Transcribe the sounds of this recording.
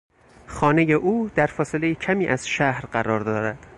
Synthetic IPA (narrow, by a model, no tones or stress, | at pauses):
xɒːne̞jeʔuːd̪̥æɾfɒːse̞le̞jecʰæmiːʔæz̥ʃæhɾɢæɾɒːɾd̪ɒːɾæd̪̥